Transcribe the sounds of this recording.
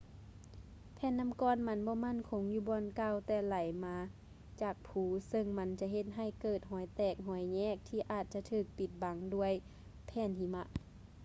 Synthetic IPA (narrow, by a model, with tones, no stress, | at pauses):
pʰɛː˧˨nːa˧˥˨mkɔː˧˥nma˧˥nbɔː˧˦ma˧˥˨nkʰo˨˧˦ŋjuː˧bɔː˧˨nkaː˧˩˨wt̪ɛː˧˩la˨˩jmaː˧˦ | t͡ɕaː˨˩k̚pʰuː˨˧˦sɤ˧˨ŋma˧˥nt͡ɕa˧ɦe˧˦t̪̚ɦa˧˩˨jkɤː˧˩t̪̚ɦɔː˨˦jt̪ɛː˧˩k̚ɦɔː˨˩˦jɲɛː˧˩˨k̚t̪ʰiː˧ʔaː˨˩t̪̚t͡ɕa˧˦t̪ʰɯː˧˩k̚pi˧˩t̪̚ba˨˦ŋdu˧əj | pʰɛː˧˩˨ntʰiː˧˦ma˧ʔ